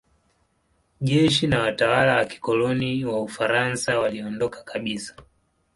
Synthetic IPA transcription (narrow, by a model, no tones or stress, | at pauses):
ʄɛʃinawatawalawaki̥kɔlɔniwaufaɾansawaliɔndɔkḁkaɓisḁ